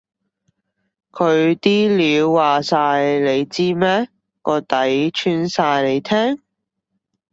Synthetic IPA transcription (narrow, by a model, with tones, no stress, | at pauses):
kʰɵ˨˧ɥt̪iː˥liː˨˧wːaː˨˩saː˧jle˨˧jt͡siː˥mɛː˥ | kɔː˧t̪ɐ˨˥jt͡ʃʰyː˧nsaː˧jle˨˧jt̪ʰɛː˥ŋ